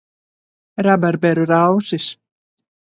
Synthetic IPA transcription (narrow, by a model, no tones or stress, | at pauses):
ɾabaɾbɛɾʏɾawsɪs